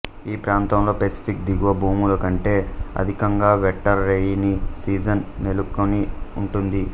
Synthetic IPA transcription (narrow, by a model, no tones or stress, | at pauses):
iːpɾaːnt̪ɐmlo̞ːpesi̥pʰikd̪iɡuʋɐbʱuːmulɐkɐɳʈe̞ːɐ̰d̪ʱikɐŋɡaːʋɛʈːɐɾːejinisiːd͡ʒɐnnelukːoniuɳʈund̪i